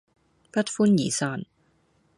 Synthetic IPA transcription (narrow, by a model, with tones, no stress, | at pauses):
pɐ˥t̚fuː˥njiː˨˩saː˧˩n